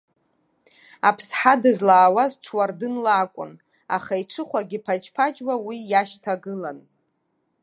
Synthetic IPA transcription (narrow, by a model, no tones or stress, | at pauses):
apʰsħadɨzlaːwazʈ͡ʂʰwardɨnlaːkʷʼʊ̰n | a̰χaiʈ͡ʂʰɨχʷaɡʲipʰat͡ʃpʰad͡ʒʼwawijaʃtʰaɡɨlan